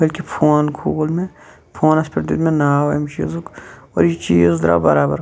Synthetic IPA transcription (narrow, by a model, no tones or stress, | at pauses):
bɐlkipʰoːnkʰuːlmẽ | pʰoːnɐspɐɾd̪id̪mẽnaːwmt͡ʃḭːzukɔ̰ːɾjit͡ʃiːzd̪ɾa̰bɐ̰ɾaːbɐɾ